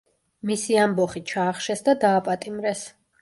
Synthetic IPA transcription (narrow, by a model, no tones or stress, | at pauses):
misiambɔχit͡ʃʰaːχʃɛsd̪ad̪aːpʼat̪ʼimɾɛs